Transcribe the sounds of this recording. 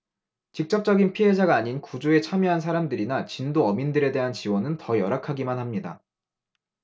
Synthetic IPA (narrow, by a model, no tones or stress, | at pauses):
t͡ɕik̚t͡ɕ͈ʌp̚t͡ɕ͈ʌɡinpʰiɦe̞d͡ʑʰaɡaːɲinkud͡ʑoe̞t͡ɕʰamjʌɦans̬ʰaɾamdɯɾinat͡ɕindoʌmindɯɾe̞de̞ɦant͡ɕiwʌnɯntʌjʌɾakʰaɡimanɦamɲida̰